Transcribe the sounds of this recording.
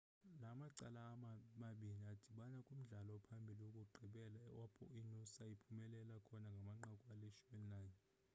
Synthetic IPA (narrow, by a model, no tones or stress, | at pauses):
lamaǀalaːmaɓiniad̥ʱiɓanakʼum̩ɮalɔpʰambʱiliwokʼuɡ͡ǃʱiɓɛlaɛwapʼʰɔ̰inusaipʰumɛlɛlakʰɔnaŋɡʱamaŋ͡ǃakʼualɛʃumɛnlajn